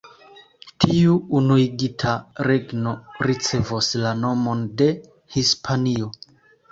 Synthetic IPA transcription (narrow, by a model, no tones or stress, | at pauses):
tʰiuunuiɡitʰaɾe̞ɡno̞ɾit͡se̞voslano̞mo̞nde̞ | hispʰanio̞